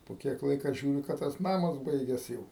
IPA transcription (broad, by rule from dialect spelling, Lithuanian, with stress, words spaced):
poː ˈkʲiɛk ˈlˠɐɪkɐ ˈʒʲuːrʲɪ kɐ ˈtɐs ˈnɑːmɐs ˈbɐɪɡʲɛs ˈjɛʊ